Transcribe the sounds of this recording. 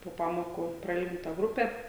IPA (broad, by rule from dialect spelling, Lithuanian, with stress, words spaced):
poː ˈpɑːmoːkʊ prɐˈɪlʲɡʲɪntɐ ˈɡrʊpʲɛ